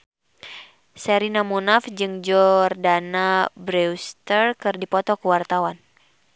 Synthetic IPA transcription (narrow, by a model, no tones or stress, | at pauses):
sɛɾinamunafd͡ʒɨŋd͡ʒɔrdanabɾɛust̪ərkɨrdipɔt̪ɔkəwart̪awan